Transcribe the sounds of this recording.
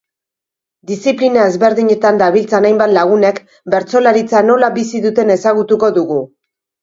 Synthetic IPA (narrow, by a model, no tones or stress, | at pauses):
d̪isiplinae̞zβe̞ɾðiɲe̞t̪and̪aβilt͡sanajmbat̪laɣ̞une̞k | be̞ɾt͡so̞laɾit͡sano̞labisiðut̪e̞ne̞saɣut̪uko̞ðuɣu